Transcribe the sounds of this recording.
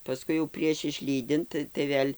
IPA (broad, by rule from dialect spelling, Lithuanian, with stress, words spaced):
pɐˈskʊɪ jɛʊ pʲrʲiɛʃ ɪʃʲˈlʲiːdʲɪnt tɐɪ ˈʋʲeːlʲ